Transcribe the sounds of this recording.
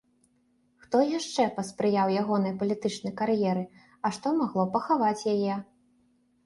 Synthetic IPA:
xt̪ɔjaʂt͡ʂɛpɐspɾɨjawjaɣɔnɐjpɐlʲit̪ɨt͡ʂnɐjkaɾjɛɾɨ | ɐʂt̪ɔmaɣlˠɔpɐxavat͡sʲjajɛ

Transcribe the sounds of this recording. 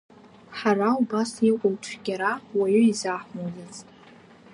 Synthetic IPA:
ħaɾaubasiqʷʼʊlʈ͡ʂʷʰɡ̥ʲaɾawaɥoizaħʷmowzat͡sʼ

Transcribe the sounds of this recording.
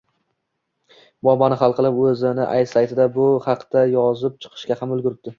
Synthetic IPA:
bɒmanɪχɑlˠqʰɨlˠɪpɵzɪnɪ̰ʔa̰jsajt̪ʰɪd̪abʊhɑqd̪̥ajɒzɪp̚t͡ʃʰɨ̥qʰɨ̥ʃkʲahamɵlɡʊɾɪp̚d̪ɪ

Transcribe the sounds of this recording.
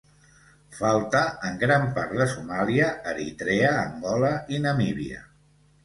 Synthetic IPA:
falˠt̪əəŋɡɾampaɾd̪əsumaliəəɾḭt̪ɾeəːŋɡɔləinəmiβḭə̰

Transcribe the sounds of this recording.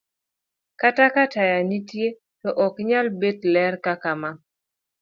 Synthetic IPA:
katakatajanitje | tɔʔɔkɲalbedlɛrkakama

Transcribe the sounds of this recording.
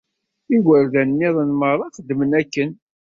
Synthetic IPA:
iɡəɾðænnːiðˤənmərˤːɑχəd̪ːmənækːən

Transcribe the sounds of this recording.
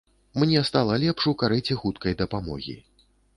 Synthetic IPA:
mnʲɛst̪alˠɐlʲɛpʂukaɾɨt͡sʲixut̪̚kɐjd̪ɐpamɔ̰ɣʲḭ

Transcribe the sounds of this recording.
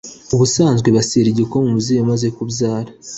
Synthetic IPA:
uβusaːnzɡwe̞βasiɾiɟikomumuzejamaze̞kubzaːɾa

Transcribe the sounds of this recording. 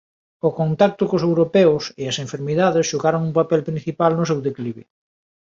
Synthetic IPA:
okont̪ak̚t̪ʊkosewɾopɛʊseɐsẽɱfeɾmiðaðɪsʃuɣaɾoŋumpapɛlpɾin̟θipalnʊsewðekliβe

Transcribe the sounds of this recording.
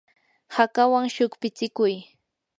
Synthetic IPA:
hakawaŋʃʊkpɪt͡sɪkʊj

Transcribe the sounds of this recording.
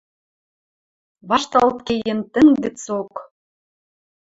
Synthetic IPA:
βɑʃt̪ɑlt̪kejent̪ɘ̆ŋɡɘ̆t͡sok

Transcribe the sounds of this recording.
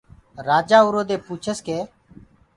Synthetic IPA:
ɾaːd͡ʒaːʊɾoːd̪eːpuːt͡ʃʰəskeː

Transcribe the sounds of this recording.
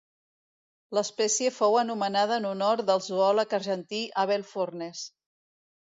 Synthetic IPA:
ləspɛsiəfowənumənað̞əːnunoɾdəlˠzuɔləkərʒənt̪iʔəβ̞ɛlˠfornes

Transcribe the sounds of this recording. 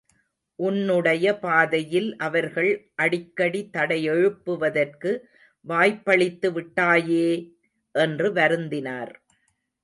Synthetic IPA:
ʔʊnːɯɽɐjɐpaːðɐjɪlʔɐʋɐɾɣɐɭʔɐɽɪkːɐɽit̪ɐɽɐjɛɻɯpːɯʋɐðɐrkɯ | ʋaːjpːɐɭɪt̪ːɯʋɪʈːaːjeː | ʔɛndrɯʋɐɾɯnd̪ɪnaːɾ

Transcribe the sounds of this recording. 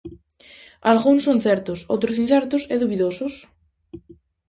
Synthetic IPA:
alɣunsonθeɾt̪oso̰t̪ɾosinθɛɾt̪osɛðuβiðosos

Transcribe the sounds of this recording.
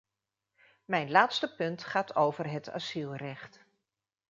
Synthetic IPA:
mɛjnlaːtstəpɵntχaːtʰowvərɦətʰa̰silˠrɛχt

